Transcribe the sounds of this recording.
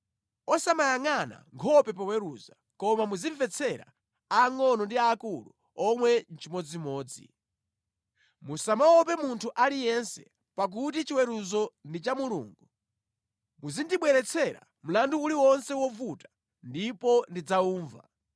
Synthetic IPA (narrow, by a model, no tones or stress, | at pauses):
ɔsamajaŋana̰ŋkʰɔpɛpawɛɾuza | kɔmamuziɱvɛt͡sʰɛɾa̰ | aŋɔnɔndiaːkulu | ɔmwɛnt͡ʃimɔd͡zimɔːd͡zḭ | musamawɔpɛmuntʰuʔalijɛnsɛ | pak̬ut̬it͡ʃiwɛɾuzɔndit͡ʃamulṵːŋɡu | muzindiɓwɛɾɛt͡sʰɛɾa̰ | m̩landuːliwɔnsɛwɔvutḁ | ndipɔndid͡zauːɱva̰